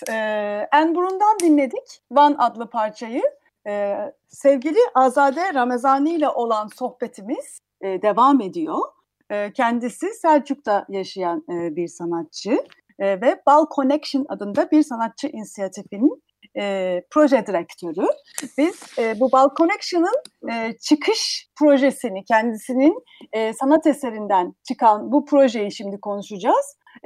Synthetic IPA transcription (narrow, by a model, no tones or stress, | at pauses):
ænbuɾund̪and̪inlʲe̞d̪icvanad̪lˠɯpʰaɾt͡ʃʰajɯː | sɛvɟilʲiʔazaːd̪ɛɾamezaːnɯjlʲaʔo̞lˠanso̞xpe̞t̪ʰimiz̥ː | d̪e̞vaːme̞d̪ijo̞ | ɯːcʰɛnd̪isisæɾt͡ʃʰuk̚t̪ʰajaʃajanbiɾsanat̪̚t͡ʃʰɯ | vɛb̥alˠkʰo̞nɛkʃɯna̰d̪ɯnd̪abiɾsanat̪̚t͡ʃʰɯʔinisijat̪ʰifinin | ɛːpʰɾo̞ʒɛd̪iɾɛct̪ʰø̞ɾy | biz̥ɛːbubalˠkʰo̞nɛkʃɯnɯnːt͡ʃʰɯkʰɯʃpʰɾo̞ʒesinicʰɛnd̪isinin | ɛːsanat̪ese̞ɾind̪ænt͡ʃʰɯkʰanbupʰɾo̞ʒe̞jiʃimd̪ikʰo̞nuʃud͡ʒaz̥